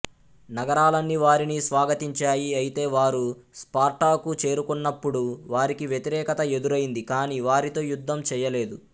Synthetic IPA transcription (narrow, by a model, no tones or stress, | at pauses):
nɐɡɐɾaːlɐnːiʋaːɾinisʋaːɡɐt̪iɲt͡ʃaːjiɐjit̪e̞ːʋaːɾuspaːɾʈaːkut͡ʃe̞ːɾukunːɐpːuɽuʋaːɾikiʋjet̪iɾɛːkɐt̪ɐe̞d̪uɾɐjind̪ikaːniːʋaːɾit̪o̞ːjud̪ʱːɐmt͡ʃɛːjɐle̞ːd̪u